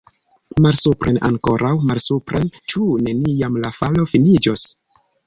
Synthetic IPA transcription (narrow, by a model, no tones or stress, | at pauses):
malsupɾʔena̰ŋko̞ɾʔawmalsupɾʔent͡ʃune̞niamlafalo̞finid͡ʒos